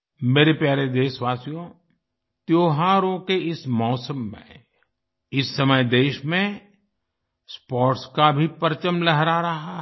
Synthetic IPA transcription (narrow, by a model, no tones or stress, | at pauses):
meːɾepjaːɾed̪eːʃʋaːsijõ | t̪joːɦaːɾõkeʔɪsmɔːsəmːḛ̃ | ɪsːəməjd̪eːʃmẽ | spɔːɾʈskabʱipəɾt͡ʃəmlɛɦɾaɾɐɦa